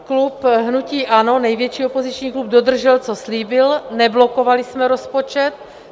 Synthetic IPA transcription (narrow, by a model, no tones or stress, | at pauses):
klupɦnuciːʔano̞nɛjvjɛt͡ʃiːopo̞zit͡ʃɲiːklub̚dod̪r̩ʒɛlt͡so̞sliːbɪlnɛblo̞ko̞valɪsmɛɾo̞spot͡ʃɛt̪̚